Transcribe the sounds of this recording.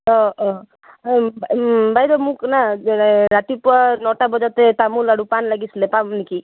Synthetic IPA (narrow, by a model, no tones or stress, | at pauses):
ɔ | bbajd̪ɔmuknaɾat̪ipɔnɔʈabɔd͡ʒat̪et̪amulaɽupanlaɡislepamniki